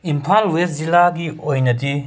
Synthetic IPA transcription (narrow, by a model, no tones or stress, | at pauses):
impʰalueszilaɡiojnɐti